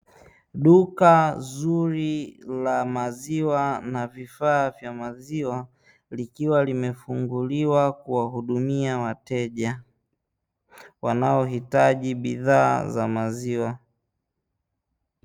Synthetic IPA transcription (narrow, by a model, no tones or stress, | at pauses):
ɗukazuɾilamaziwanavifaːvjamaziwa | likiwalimɛfuŋɡuliwakuwahuɗumiawatɛʄa | wanaɔɦitaʄiɓiða̰ːza̰maziwa